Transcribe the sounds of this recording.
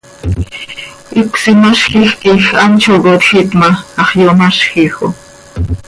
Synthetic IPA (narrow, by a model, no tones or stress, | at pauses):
ʔikʷsimaʃxixkixɑnt͡ʃʰokot̪xit̪mɑɑχjomɑʃxixo̰